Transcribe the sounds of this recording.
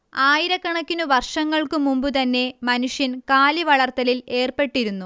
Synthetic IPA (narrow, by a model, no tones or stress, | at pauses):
aːjiɾɐkːɐɳɐkʲːinuʋɐrʂɐŋːɐɭkɨmumbɨt̪ɐnːe̞mɐnuʂjɐnkaːliʋɐɭɐrt̪ːɐlile̞ːrpe̞ʈːiɾunːu